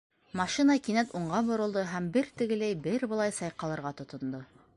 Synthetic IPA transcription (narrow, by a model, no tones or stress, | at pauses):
mɑʃinɑkinæt̪uɴɢɑbŏɾɤ̆lˠd̪ɤɦæmbɘɾt̪ɘ̆ɡɘ̆læjbɘɾbɤ̆lˠɑjsɑjqɑlˠɤ̆ɾʁɑt̪ŏt̪ŏnd̪ɤ